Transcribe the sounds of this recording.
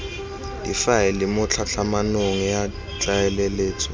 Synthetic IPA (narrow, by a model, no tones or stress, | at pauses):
dʼifajɛlimʊt͡ɬʰaɬʰamanoŋija | t͡ɬʼajɛlɛleːt͡sʰʼɛ